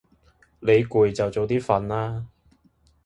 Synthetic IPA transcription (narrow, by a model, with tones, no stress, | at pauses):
le˨˧jku˨˩jt͡sɐ˨wt͡so˨wt̪iː˥fɐ˨nlaː˥